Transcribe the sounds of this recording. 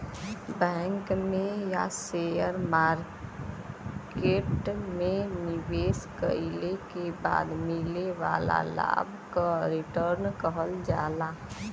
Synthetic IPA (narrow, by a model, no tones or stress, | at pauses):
bɛ̃ːŋkmẽjasejəɾmaːɾ | keːʈmẽnɪʋeːskəilekeba̰ːd̪mɪleʋaːla̰la̰ːbʱ | kaɾɪʈəɾnkəɦəld͡ʒaːlaː